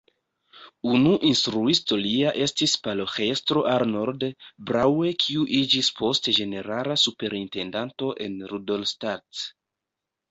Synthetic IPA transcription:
unuʔinstɾuisto̞liaʔe̞stispaloxe̞stɾo̞ʔaɾno̞ɾdebɾawe̞kʰiuʔid͡ʒispʰo̞sted͡ʒe̞ne̞ɾalasupe̞ɾinte̞ndanto̞ʔe̞nɾudolstat

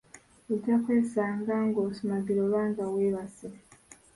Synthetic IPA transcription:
eɟakweːsaːŋɡaːŋɡosumaɡiɾoβaːnzaweːβase

